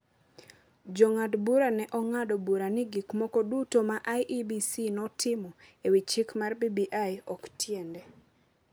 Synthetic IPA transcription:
d͡ʒɔŋadbuɾanɛʔɔŋadɔbuɾanɪɡikmɔkɔdutomaʔajʔibisinɔtʰɪmɔewit͡ʃikmarbibiʔajɔktjɛndɛ

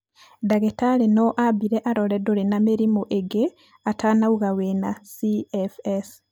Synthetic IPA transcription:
daɣetalenoʔabiɾeʔaɾoledoɾenameɾimoʔeɡe | atanauɣawenasiefes

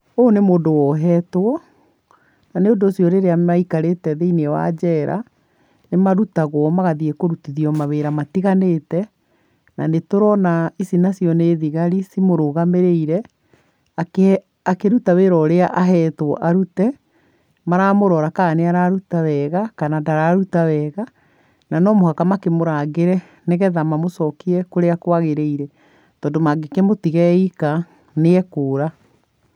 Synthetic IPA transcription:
oːnemoːdowɔɦɛtwɔ | naneondoːsijɔɾeɾeaaikaɾetɛðeinewa̰d͡ʑɛɾʔa̰ | nemaɾutaɣwɔmaɣaðiekoɾutiðiɔmaβeɾamatiɣanetɛ | na̰netoɾɔnaisinasijɔneːðiɣaɾisimoɾoɣameɾeiɾɛ | a | akeɾutaweɾɔɾeaʔaɦɛtwɔʔaɾutɛ | maɾamoɾɔɾakaːneaɾaɾutawɛɣakanadaɾaɾutawɛɣa | nanɔmohakamakemoɾaɡeɾɛ | neɣɛðamamosɔkiɛkoɾeakwaɣeɾeiɾɛ | tɔːndomaɡekemotiɣɛika | neɛkoːɾa

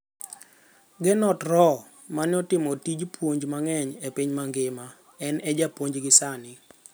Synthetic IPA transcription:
ɡɪnɔtɾɔ | manɔtɪmɔtid͡ʒpwoɲd͡ʒmaŋɛɲepiɲmaŋɡɪma | ɛnɛd͡ʒapwoɲd͡ʒɡɪsanɪ

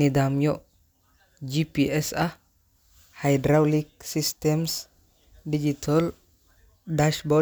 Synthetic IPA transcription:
nid̪amjɔ | d͡ʒipiɛsɐ | hajdɾawlik̚sist̪ɛms | did͡ʒit̪ʰɔl | daʃbɔ

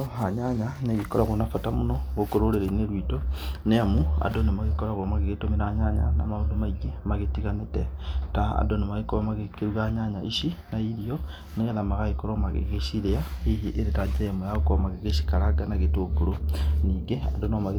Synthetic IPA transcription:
ohaɲaɲaneɣikoɾaɣonafotamunoɣokoɾoɾeɾeineɾwitoneamua̰donemaɣekoɾaɣoomaɣeɣetomiɾaɲaɲa̰na̰maondomaiɡemaɣetiɣanetetaa̰donemaɣekoβamaɣekeɾuɣaɲaɲaiʃinaiɾio | neɣenamaɣaikoɾomaɣḛɣeʃiɾeaiiʔeɾetad͡ʒiɾeamujaɣokoamaɣeɣeʃi̥kalaɡanaɣetoɡuɾoniːŋɡeadonomaɣ

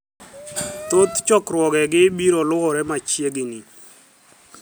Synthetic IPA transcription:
t̪ot̪t͡ʃɔkɾwɔɡɛɡɪbiɾɔlʊɣɔɾɛmat͡ʃjeɡɪni

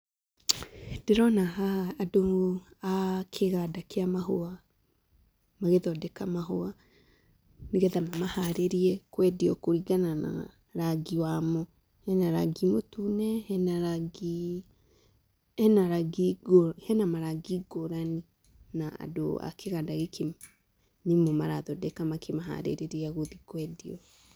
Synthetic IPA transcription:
d̥eɾɔnaɦaːdoakʰeɣadakeamaɦoa | maɣeðɔdɛkamaɦoa | miɣɛðamamahaɾeɾiɛkwɛdiɔkoɾiɡanana̰ | ɾaɡiwamɔ | hɛnaɾa̰ɡimotunɛhɛnaɾaɡi | ɛnaɾaɡiɡhɛnamaɾaɡiɡoɾani | naa̰do̰a̰kʰeɣadaɣekʰe | nemomaɾaðɔdɛkamakʰemaɦa̰ɾḛɾeɾiaɣoðikwɛdiɔ

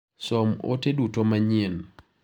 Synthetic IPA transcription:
sɔmo̰tedutomaɲɪn

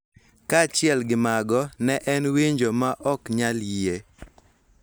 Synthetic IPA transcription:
kat͡ʃɪɛlɡɪmaɡɔnɛʔɛnwiɲd͡ʒomaʔɔkɲaljie

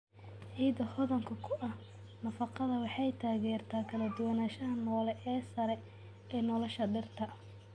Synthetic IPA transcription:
ʕiːd̪ɐhɔðɐŋkʰɐkʰʊʔɐh | nɐfɑqɑðɐwɑħɑjt̪ʰaːɣɛːrt̪ʰaːkʰɐlɐd̪ʊwɐnaːʃɐɦɐnɔːlɛʔɛːsɐɾɛ | ɛːnɔlɔʃɐɖɪrt̪ʰɐ

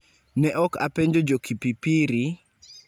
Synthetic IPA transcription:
nɛʔɔka̰peɲd͡ʒod͡ʒokʰipipiɾi

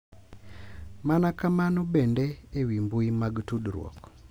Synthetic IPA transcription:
manakamanɔbendeewimbuimaɡtudɾwɔ̰k

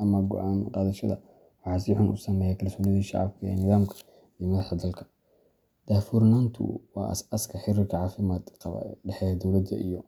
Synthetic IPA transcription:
ʔɐmɐɡɔ̰ʔaːnqɑːðɐʃɐ̰ðɐ̰ | wɑħɑːsiːħʊnʔʊ̰sɐmɛːjɛkʰɐlsɔːnɪðɐʃɑ̰ʕɑ̰b̚kʰɐɛ̰ːnɪðaːmkʰɐ̥ | ijɔmɐðɐħɐd̪ɐlkʰɐ̥ | d̪̥aːfuːɾnaːnt̪ʰʊ̰wɑ̰ːʔɐ̰sɐskʰɐħɪɾɪrkʰɐʕɑːfɪmaːd̪qɐ̰ɖɛħɛːjɐd̪ɔwlɐd̪ɐ̰ʔḭjɔ

